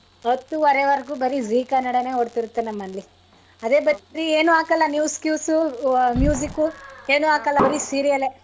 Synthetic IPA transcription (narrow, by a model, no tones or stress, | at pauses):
ɐt̪ːuʋɐɾeʋɐɾɡubɐɾiziːkɐnɐɽɐneɦoɽt̪iɾut̪ːenɐmːɐnli | ɐd̪eːbɐɾt̪iɾieːnuaːkɐlːɐnjuːskjuːsumjuːd͡ʒikːueːnuaːkɐlːɐɐɾisiɾijɐle